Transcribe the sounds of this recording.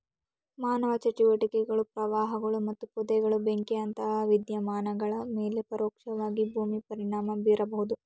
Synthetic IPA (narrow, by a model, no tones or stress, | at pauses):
maːnɐʋɐt͡ʃɐt͡ʃiʋɐʈikɛɡɐɭupɾɐʋaːɦɐɡɐɭumɐt̪ːupɔd̪ɛɡɐɭubeŋkeɐnt̪ɐɦaʋid̪jɐmaːnɐɡɐɭɐme̞ːlepɐɾoːkʂɐʋaːɡibʱuːmipɐɾiɳaːmɐbiːɾɐbɐɦud̪u